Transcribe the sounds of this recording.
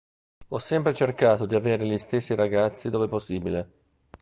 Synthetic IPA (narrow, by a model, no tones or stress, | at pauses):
ɔsːɛmpɾet͡ʃerkaːt̪od̪iaveːɾelist̪esːiɾaɡat̪sːid̪oːveposːiːbile